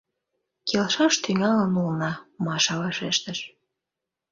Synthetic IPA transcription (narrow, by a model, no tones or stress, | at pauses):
kelʃɑʃt̪yŋɑlənulnɑmɑʃɑβɑʃeʃt̪əʃ